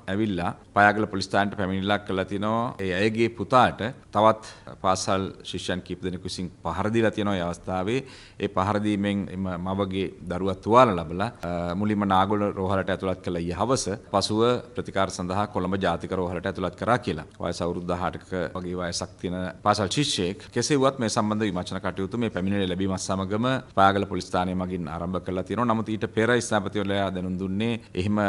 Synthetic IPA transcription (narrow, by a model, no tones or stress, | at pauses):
ɛʋilːapajaːɡələpolist̪aːnʈəpæminilakːəlat̪iənɔaeːɛjəɡeːput̪aːʈət̪aʋat̪paːsalʃiʂjankipud̪enekusiŋpaɦaɾəd̪ilat̪ijənɔʋːeːaʋɐst̪ʰaːʋeː | eːpaɦaɾəd̪iːmeŋḛməmaʋəɡed̪aɾuʋat̪ːuʋaːləlabəlamulimənaːɡoləɾoːɦaləʈəɛt̪ulat̪̚kəlaijəɦaʋəsəpasuʋəpɾət̪i̥kaːɾɐsɐnd̪ɐɦakolɐmbəd͡ʒaːt̪ikəɾoːɦɐlɐʈəɛt̪ulat̪̚kɐɾaːkiəla̰ʋa̰ːjɐsawɾud̪ːaɦaːʈəkəaɡeːʋaːjəsak̚t̪ijənəpaːsalʃiʂəjekkeseuʋat̪meːsamband̪əʋimat͡ʃɐnakaʈijut̪umeːpɛminillɛbimasamɐɡəməpaaːɡɐlɐpolist̪aːnejəmaɡina̰ːɾɐmbəkəɾəlat̪ijənoʋanamut̪iːʈəpeːɾaist̪aːpət̪iʋɐlɐjaːd̪ɛnund̪unːeːeɦemə